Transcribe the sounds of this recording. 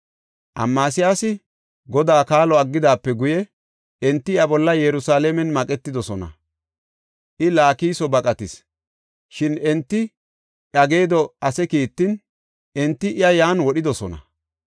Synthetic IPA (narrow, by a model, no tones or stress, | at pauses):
ʔɐ̰mːaːsɪjaːsɪ | ɡɔd̪aːkaːlɔɐɡːɪd̪aːpːɛɡʊjɛ | ʔɛnt̪ːɪjɐbɔlːɐjɛɾʊsaːlɛmɛnmɐkʼɛt̪ːɪd̪ɔsɔnɐ̰ | ʔɪlaːkiːsɔbɐkʼɐt̪ɪs | ʃɪnɛnt̪ːɪ | ʔɐɡeːd̪ɔɐsɛkiːt̪ːɪn | ʔɛnt̪ːɪʔɪjɐjaːnwɔɗɪd̪ɔsɔnɐ̰